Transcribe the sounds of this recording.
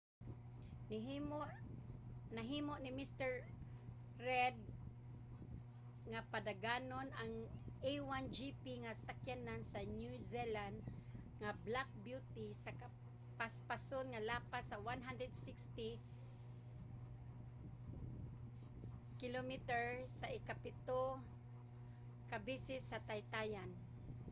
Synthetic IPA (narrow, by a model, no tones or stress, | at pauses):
nɪɦmʔ | naɦiːmoʔnɪmist̪ɛɹ | ɾɛd̪̚ | ŋapad̪aɡaːnonaŋejwand͡ʒipiŋasakjanansanjuziland̪ | ŋablak̚bjut̪isaka | paspasonŋalaːpasawanɦand̪ɾɛd̪sɪkst̪i | kɪlomit̪ɛɹsaʔɪkapɪt̪o | kabisɪsːat̪ajt̪aːjan